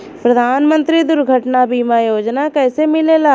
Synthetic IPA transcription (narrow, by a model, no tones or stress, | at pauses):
pɾəd̪ʱaːnmə̃nt̪ɾid̪ʊɾɡʱəʈnabiːmajoːd͡ʒnakɛːsemɪlelaː